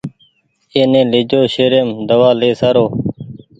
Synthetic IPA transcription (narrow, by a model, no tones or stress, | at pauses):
eːnẽːlɪd͡ʒoːʃeːɾeːmd̪əʋaːleːsaɾoː